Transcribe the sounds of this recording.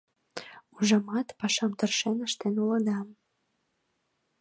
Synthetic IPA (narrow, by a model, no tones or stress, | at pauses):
uʒɑmɑt̪pɑʃɑmt̪ərʃenəʃt̪enulɤ̆d̪ɑm